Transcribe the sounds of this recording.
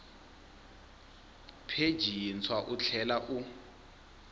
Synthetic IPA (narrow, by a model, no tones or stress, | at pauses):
pʰe̥ʒ̥ʱint͡sʰwaʔut͡ɬʰɛlaʔu